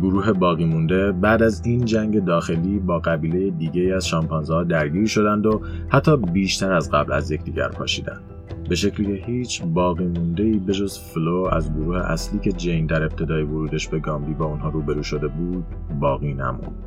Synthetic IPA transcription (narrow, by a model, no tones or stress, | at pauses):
ɡoɾuːɦe̞bɒːɣiːmund̪e̞bæːd̪æziːnd͡ʒæŋɟe̞d̪ɒːxe̞liːbɒːɣæbiːle̞jed̪iːɟe̞iːæzʃɒmpʰɒːnzhɒːd̪æɾɟiːɾʃo̞d̪ænd̪o̞hæt̪ʰːɒːbiːʃt̪ʰæɾæzɢæ̰blæ̰zje̞cʰd̪iːɟæ̰ɾpʰɒ̰ːʃiːd̪æ̰nd̪̥ | be̞ʃe̞cʰliːcʰe̞hiːt͡ʃʰbɒːɣiːmund̪e̞iːbe̞d͡ʒozfloæ̰zɡoɾuːhe̞̰ʔæ̰sliːcʰe̞d͡ʒe̞jnd̪æɾe̞b̚t̪ʰe̞d̪ɒːjevoɾuːd̪e̞ʃbe̞ɡɒːmbiːbɒːunɦɒːɾuːbe̞ɾuːʃo̞d̪e̞buːd̪̥̚ | bɒːɣiːnæ̰mṵnd̪̥